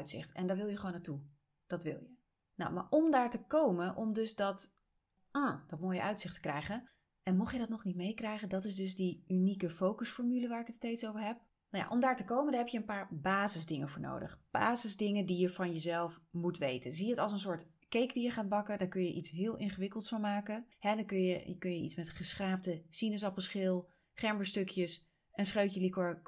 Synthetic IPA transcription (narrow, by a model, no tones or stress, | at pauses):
ɥtsɪ̰χtɛ̰ndɑʋɪlˠjəχəʋoːnatu | d̥ɑtʋɪ̰lˠjə | nɔ̰wma̰ːɹʔɔmdaːɹtəkowmənʔɔmdɵsdɑt | ʔad̥ɑtmoːjə̰ʔœɥtsɪχtə̥krɛjχən | ʔɛnmɔχjədɑtnɔχnitmejkrɛjχəndɑtɪzdɵzdiynikəfowkəsfɔɹmyləʋaːɹɪkətstejtsowvəɹɦɛp̚ | nawja̰ʔɔmdaːɹtəkowməndnɦɛpjəənpaːɹbaːzəzdɪŋəvʊːɹno̰wdə̰χb̥a̰ːzəzdɪŋəndijəvɑnjəzɛlˠfmutʋejtənzijəətɑlˠs̬ənsʊːɹt | kejkdijəχaːd̚bɑkədaːɹkɵnjəʔitsɦɪːlˠʔɪnχəʋɪkəlˠtsfɑnmaːkəhɛdɑkɵnjəəkɵnjəʔḭtsmɛtχəsχraːpdəsinəs̬ɑpəlˠsχɪlˠ | χɛɹmbəstɵkjəs | ɛnsχrøɥəlikɔɹk